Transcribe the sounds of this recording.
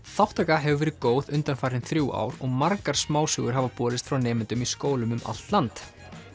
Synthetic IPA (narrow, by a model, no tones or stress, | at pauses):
θawht̪akaɦɛvʏvɛːɾɪkoːwðʏnt̪anfaːɾɪnθɾjuːa̰ːwɾɔɣmaɾkaɾ̥smaːwsʏɣʏɾ̥ɦavapɔːɾɪst̪fɾawnɛːmɪnt̪ʏmiskoːwlʏmʏmʔa̰l̥t̪lant̪